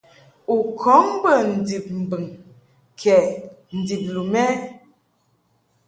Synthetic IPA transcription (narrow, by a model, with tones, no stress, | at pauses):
u˨kʰɔ˨˦ŋbə˦˨n̩˨di˨p̚m̩˨bɨ˨ŋ | kʰɛ˨n̩˨di˨p̚lu˨mɛ˦